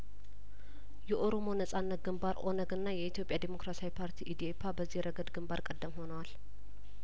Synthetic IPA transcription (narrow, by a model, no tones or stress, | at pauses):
jɛʔo̞ɾo̞mo̞nəsʼanːət̪̚ɡɨmbaɾʔo̞nəɡɨnːajɛit̪jo̞pʼːjad̪emo̞kɾasawipʰaɾt̪ʰiʔid̪iepʰabəzːihɾəɡəd̪ɡɨmbaɾkʼəd̪ːəmho̞nəwal